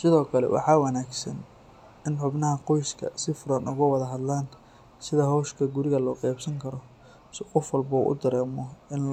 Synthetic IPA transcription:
sɪðɔːkʰɐlɛ̰wʔɑ̰ħɑːwɑnaːɡsɐn | ɪnħʊbnɐɦɐqɔjskʰɐ̰sɪfʊɾɐnʊɣʊwɑðɐɦɐd̪laːn | sɪðɐɦɔʃkʰɐɡʊɾɪɣɐlɔːqɛjbsɐŋkʰɐɾɔ | sqɔfwɐlbɐṵʔʊ̰d̪ɐɾɛːmɔɪn

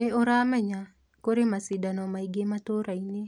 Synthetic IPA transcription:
eoɾamɛɲa | koɾemasɪdanɔmaiɡemat̪oɾaine

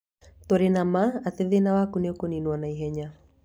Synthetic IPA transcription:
t̪oɾenamaat̪eðenawakuneokoninwɔnaiɦɛɲa

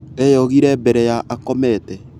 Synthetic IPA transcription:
ɾejɔɣiɾɛbɛɾɛjaʔakɔmɛtɛ

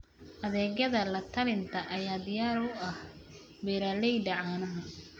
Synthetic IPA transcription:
ʔɐðɛːɣɐðɐlɐt̪ʰɐlɪnt̪ʰɐʔɐjaːd̪ɪjaːɾʊɐh | bɛɾaːlɛjɖɐʕaːnɐɦɐ

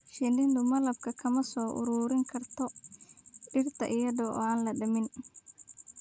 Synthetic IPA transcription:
ʃɪndɪnd̪ʊmɐlɐb̚kʰɐkʰɐmɐsɔːʔʊ̰ɾuːɾɪŋkʰɐrt̪ʰɔ | ɖɪrt̪ʰɐ̰ʔɪjɐðɔːʔɔ̰ːaːnlɐɖɐmɪn

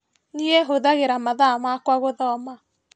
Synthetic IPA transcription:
niɛɦoðaɣeɾamaðamakwaɣoðɔma

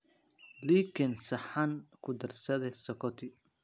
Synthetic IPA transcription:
likʰɪnsɐħankʰʊd̪ɐrsɐðɛsɔkʰɔt̪ʰɪ

